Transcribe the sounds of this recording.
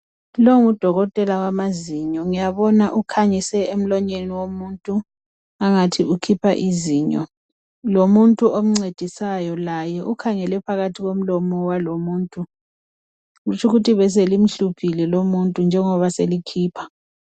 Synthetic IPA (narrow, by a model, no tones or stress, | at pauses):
loŋud̥ʱɔɣɔtʼɛlawamaziɲɔŋijaβɔnaʔukʰaɲisɛem̩lɔɲeniwomuːntʼu | aŋatʰiukʰipʰa̰ʔiziːɲɔ̰ | lomuntʼuʔom̩ŋ͡ǀed̥ʱisajɔlajɛʔukʰaŋɛlɛpʰaɣatʰiɣom̩lɔmɔwalomuːntʼu | ɣut͡ʃʰuɣutʰiβɛs̬elim̩ɬupʰilɛlomuntʼund͡ʒʱɛŋɔβaselikʰiːpʰḁ